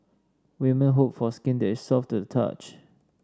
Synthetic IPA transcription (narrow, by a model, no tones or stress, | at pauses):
wɪmə̃nɦopfɔskĩndɛɪsɔftudətʰa̰t͡ʃ